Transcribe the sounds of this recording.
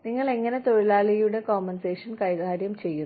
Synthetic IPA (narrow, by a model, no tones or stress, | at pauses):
niŋːɐɭe̞ŋːɐne̞t̪o̞ɻilaːɭɐjuɽe̞koːmɐnseːʂɐnkɐjɣʱaːɾjɐmt͡ɕe̞jːu